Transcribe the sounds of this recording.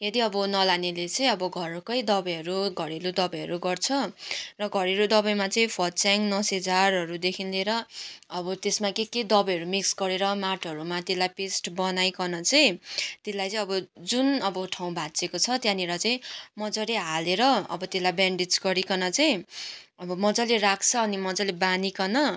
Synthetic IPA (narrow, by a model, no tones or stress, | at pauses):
jʌd̪iʌbʌnʌlanelet͡sʌĩʌbʌɡʱʌɾkʌjd̪ʌbʌjʌɾuɡʱʌɾelud̪ʌbʌjʌɾuɡʌrt͡sʰʌrʌɡʱʌɾeɾud̪ʌbʌjmat͡sʌĩpʰʌt͡saŋnʌsed͡zarɦʌɾud̪ekʰinleɾʌʌbʌt̪esmakeked̪ʌbʌjʌɾumiksɡʌɾeɾʌmaʈʰʌɾumat̪elajpesʈbʌnajkʌnʌt͡saj̃t̪elajt͡sʌĩʌbʌd͡zunʌbʌʈʰaw̃bʱat͡sekot͡sʰʌt̪jãneɾʌt͡saĩmʌd͡zʌleɦaleɾʌʌ̰bʌt̪elajbaɳɖid͡zɡʌɾikʌnʌt͡saj̃ | ʌbʌmʌd͡zʌlerakʰt͡sʰʌːnimʌd͡zʌlebanikʌnʌ